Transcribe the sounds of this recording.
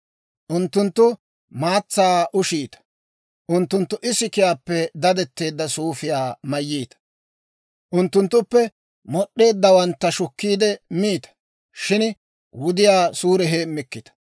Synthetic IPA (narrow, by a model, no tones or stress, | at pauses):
ʔʊnt̪ːʊnt̪ːʊ | maːt͡sːaːʔʊʃiːt̪ɐ̥ | ʔʊnt̪ːʊnt̪ːʊʔɪsɪkɪjaːpːɛd̪ɐd̪ɛt̪ːe̞ːd̪ːɐsuːfɪjaːmɐjːiːt̪ɐ̥ | ʔʊnt̪ːʊnt̪ːʊpːɛ | mɔɗːe̞ːd̪ːɐwɐnt̪ːɐʃʊkːiːd̪ɛmiːt̪ɐ̥ | ʃɪn | wʊd̪ɪjaːsuːɾɛɦeːmːɪkːɪt̪ɐ̥